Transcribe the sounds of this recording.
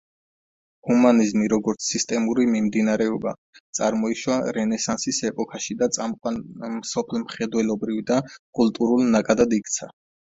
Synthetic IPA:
humanizmiɾɔɡɔɾt̪sʰist̪ʼɛmuɾimimd̪inaɾɛɔba̰ | t̪sʼaɾmɔiʃwaɾɛnɛsansisɛpʼɔkʰaʃid̪at̪sʼamqʼwanmsɔpʰlmχɛd̪wɛlɔbɾivid̪akʼulˠt̪ʼuɾulˠnakʼad̪ad̪ikʰt̪sʰa

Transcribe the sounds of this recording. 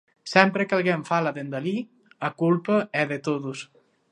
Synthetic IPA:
sɛmpɾekalˠɣeɱfalaðend̪ali | akulpəɛðet̪oðus

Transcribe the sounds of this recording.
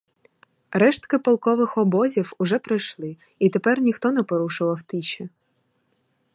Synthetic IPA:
ɾɛʃt̪kɪpɔlˠkɔʋɪxɔbɔzʲiwʊʒɛpɾɪjʃlˠɪ | it̪epɛrnʲixt̪ɔnɛpɔɾuʃʊʋɐwt̪it͡ʃɛ

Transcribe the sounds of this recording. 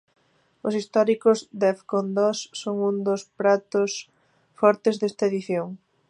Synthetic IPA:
ʊsist̪ɔɾikʊzd̪efkond̪ɔsːoŋund̪ʊspɾat̪ʊs | fɔɾt̪ezðest̪ɐeðiθjoŋ

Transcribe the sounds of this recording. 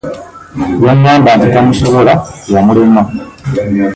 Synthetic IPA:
jomjaːmbantitamusoβolajamulima

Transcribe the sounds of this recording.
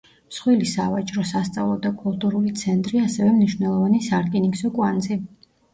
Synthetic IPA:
msχwilisavat͡ʃʼɾɔsast̪sʼavlˠɔd̪akʼulˠt̪ʼuɾulit̪sʰɛnt̪ʼɾiasɛvɛmniʃwnɛlˠɔvanisaɾkʼiniksɔkʼwanzi

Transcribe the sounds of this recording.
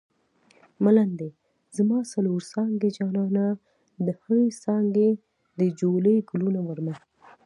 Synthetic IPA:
maland̪e | zmɑsaloɾsɑŋɡed͡ʒɑnɑna | d̪əhəwesɑŋɡe | d̪əd͡ʒoləjɡʊlunowəɾmax

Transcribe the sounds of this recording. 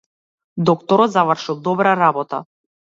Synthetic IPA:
d̪ɔk̚t̪ɔɾɔt̪zavrʃilˠd̪ɔbɾaɾabɔt̪a̰

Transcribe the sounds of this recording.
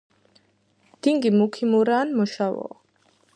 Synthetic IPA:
d̪̥iŋɡimukʰimuɾaːnmɔʃawɔ̰

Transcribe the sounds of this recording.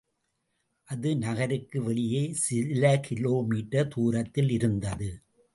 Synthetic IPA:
ʔɐðɯnɐɣɐɾɯkːɯʋɛɭɪjeːsɪlɐkʰɪloːmiːʈːɐt̪uːɾɐt̪ːɪlɪɾɯnd̪ɐðɯ

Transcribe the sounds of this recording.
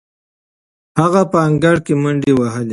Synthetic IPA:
haɣapaːŋɡaɽkemʊɳɖiwaɦəle

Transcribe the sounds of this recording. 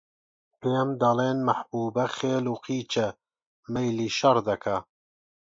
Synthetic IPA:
eɛmd̪ɐleːnmɐħbuːbɐxeːluːqiːt͡ʃɛ | mɛjliːʃɐɾd̪ɐkʰa

